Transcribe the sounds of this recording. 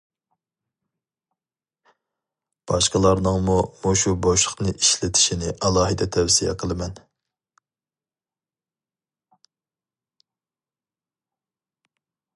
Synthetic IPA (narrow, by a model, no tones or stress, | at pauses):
b̥ɑʃqəlˠɑɾnɨŋmumoʃuboʃəχnɨʔiʃlɪt̪ʰɪ̥ʃinɪʔɑlˠɑːɦɨd̪ɛt̪ʰɛwsijɛ̰qʰəlˠɨmɛn